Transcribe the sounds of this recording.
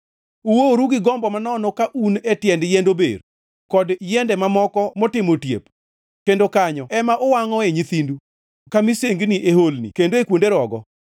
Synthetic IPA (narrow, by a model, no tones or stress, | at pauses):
uwoɾuɡɪɡɔmbɔmanɔnɔkaʔunetjɛndjɛndobḛr | kɔdjɛndɛmamɔkɔmɔtɪmotjḛp | kendokaɲɔɛmaʔowaŋɔeɲit̪indu | kamiseŋɡniʔeholnḭkendoekwondeɾɔɡɔ̰